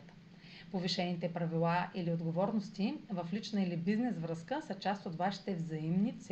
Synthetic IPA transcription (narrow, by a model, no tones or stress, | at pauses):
t̪ | poviʃɛnit̪ɛpɾɐvilˠaʔiliod̪ɡovɔɾnost̪ivəflit͡ʃnəilibiznɛsvɾəskəsət͡ʃast̪ot̪vaʃi̥t̪ɛvzɐimnit̪s